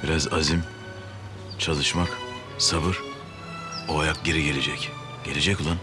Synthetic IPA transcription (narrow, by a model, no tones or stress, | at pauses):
biɾazazim | t͡ʃʰalˠɯʃmak | sabɯɾ | oajak̚ɟe̞ɾiɟe̞lʲed͡ʒɛc | ɟ̥e̞lʲe̞d͡ʒɛcolˠan